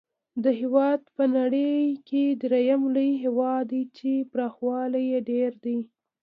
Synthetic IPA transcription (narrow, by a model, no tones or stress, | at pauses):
d̪əɦewɑd̪pənaɽəjked̪ɾejamləjɦewɑd̪it͡ʃebɾɑxwɑlajeɖeɾd̪i